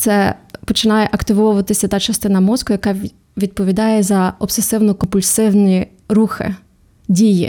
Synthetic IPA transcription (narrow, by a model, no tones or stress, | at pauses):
t̪sɛpɔt͡ʃɪnɑjɛʔɐkt̪ɪʋɔʋʊʋɐt̪ɪsʲɐt̪ɑt͡ʃɐst̪ɪnɐmɔzkɔjɐkɑ | ʋʲid̪̚pɔʋʲid̪ɑjɛzɐɔbsesɪwnɔkɔpʊlʲsɪwnʲi | ɾuxɪ̰ | dʲijḭ